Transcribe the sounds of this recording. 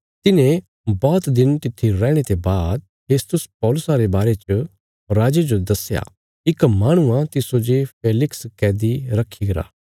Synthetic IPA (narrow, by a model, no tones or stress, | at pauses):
t̪ɪnẽ | bɔːt̪d̪ɪnt̪ɪt̪ʰːiɾɛːɽ̃et̪ebaːd̪̚ | pʰeːst̪ʊspɔːlʊsaɾebaːɾet͡ʃə | ɾaːd͡ʒed͡ʒod̪ɐsja̰ː | ɪkmaːɽ̃ʊãt̪ɪsod͡ʒepʰeːlɪkskɛːd̪iɾɐkʰːiɡɐɾa̰ː